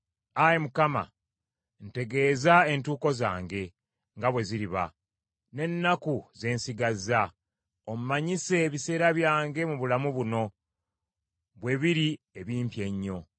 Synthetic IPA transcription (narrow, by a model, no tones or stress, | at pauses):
ajemukama̰ | n̩te̞ɡe̞ːzae̞ntuːko̞za̰ːŋɡe̞ | ŋɡaβwe̞ziɾiβa̰ | ne̞nːakuze̞ːnsiɡazːa | omumaɲise̞ːβise̞ːɾaβjaːŋɡe̞muβulamuβuno̞ | βwe̞βiɾi | eβiːmpje̞ɲːo̞